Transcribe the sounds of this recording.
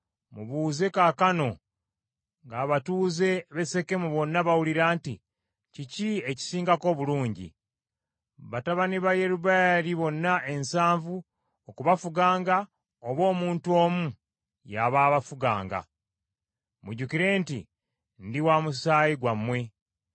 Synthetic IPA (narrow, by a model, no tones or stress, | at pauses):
muβuːze̞kakano̞ | ŋɡaβatuːze̞βe̞se̞ke̞muβo̞nːaβawuliɾaːnti | cicieci̥siːŋɡako̞ːβuluːɲɟḭ | βataβaniβaje̞ɾuβaɾiβo̞nːaʔe̞nsaːɱvu | okuβafuɡaːŋɡa | oβo̞ːmuːntuo̞ːmu | jaβaːβafuɡa̰ːŋɡa̰ | muɟukiɾe̞ːntḭ | ndiwamusaːjiɡwamːwe̞